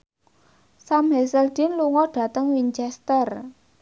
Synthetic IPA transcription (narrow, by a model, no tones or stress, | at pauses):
samɦɛsɛld̪̥i̤nluŋɔɖ̥a̤t̪əŋwiɲt͡ʃɛst̪ər